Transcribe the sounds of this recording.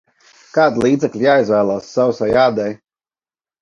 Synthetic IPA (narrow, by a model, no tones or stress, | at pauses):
kaːd̪ilˠiːd̪zɛklʲijaːizvæːlˠaːsːawsajaːd̪ɛj